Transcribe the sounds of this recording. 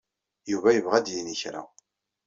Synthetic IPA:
juvæjəvʁæd̪jiniçɾæ̰

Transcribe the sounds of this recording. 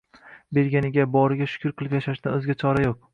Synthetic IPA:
be̞ɾɡʲanɪɡʲabɒɾɪɡʲaʃʊ̥kʰʲʊɾqʰɨlˠɪpʲjaʃaʃd̪anɵzɪɡʲat͡ʃʰɒɾajoq̚

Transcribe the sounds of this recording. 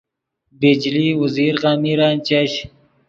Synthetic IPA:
bed͡ʒliwəziɾɣaːmiɾaːnt͡ʃaɕ

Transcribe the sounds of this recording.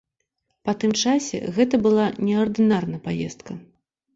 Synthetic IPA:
pɐt̪ɨmt͡ʂasʲɛ̰ɣɛt̪̬ɐbɨlˠanʲɛɐrd̪ɨnarnɐjpajɛst̪̚kɐ

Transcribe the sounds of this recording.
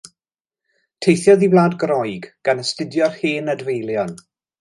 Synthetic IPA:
tʰejθjɔðiblˠaːdɡrɔjɡɡ̥anəstɪdjɔrhiːnədvejlˠjɔn

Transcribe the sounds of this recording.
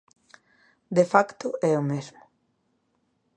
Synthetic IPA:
d̪efakt̪ʊɛomezmʊ

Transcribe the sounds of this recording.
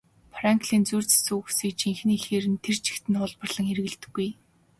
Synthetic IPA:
fraŋkɮiːnt͡suːr̥t͡sḁsuːxu̥siːkt͡ɕiŋxniːxeːɾɘ̆nt̪ʰer̥t͡ɕʰi̥xt̪ɘ̆nχʊɮpə̆rɮə̆ŋeɾɘ̆ɣɘ̆ɮt̪ɘ̆ɡːuj

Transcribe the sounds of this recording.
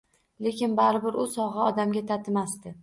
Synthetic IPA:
le̞kʲɪnbaɾɪbɪɾʊsɒʁɨɒd̪amɡʲat̪ʰat̪ʰɪmast̪ɪ

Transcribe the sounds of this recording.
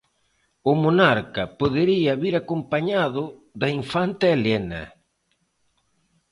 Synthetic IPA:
ʊmonaɾkɐpoðeɾiɐβiɾakompaɲaðʊðɐiɱfant̪ɪelenɐ̰

